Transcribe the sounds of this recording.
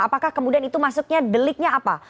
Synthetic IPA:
apakahkəmudianit̪umasʊk̚ɲadəlɪk̚ɲaːpa̰

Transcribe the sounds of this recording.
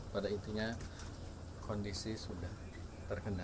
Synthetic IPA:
padait̪iɲa | kʰɔndisisudah | t̪ərkəna

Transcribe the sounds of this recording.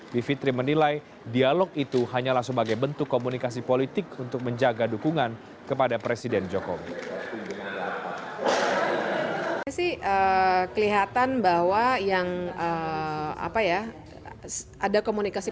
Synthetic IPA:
bifit̪ɾimənilaj | dialɔk̚it̪uɦaɲalahsəbaɡajbənt̪ʊkːomunikas̬ipolit̪ɪkunt̪ʊk̚məɲd͡ʒaɡadukuŋan | kəpadapɾesidɛnd͡ʒokowiaaa | asihʔəkəliɦat̪anbaɦwajaŋəa̰paja | s | adakomunikasi

